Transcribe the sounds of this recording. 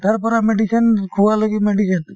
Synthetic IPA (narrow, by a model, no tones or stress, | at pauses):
t̪əɾpɔɾameɖikʰənkʰuwaləɡimeɖikən